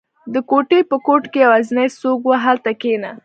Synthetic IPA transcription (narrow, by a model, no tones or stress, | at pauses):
d̪əkoʈepəkoʈkejawazinajsoɡwaɦalt̪akena